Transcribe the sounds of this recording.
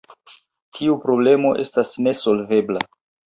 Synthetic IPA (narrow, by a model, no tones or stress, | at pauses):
tʰiupɾo̞ble̞mo̞ʔe̞stasne̞so̞lve̞bla